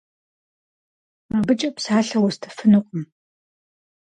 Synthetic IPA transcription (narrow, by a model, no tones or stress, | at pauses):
mɐbɨt͡ʃʼɐpsaːɬɐwʊstʰɐ̥fɨnɨqʷʼʊm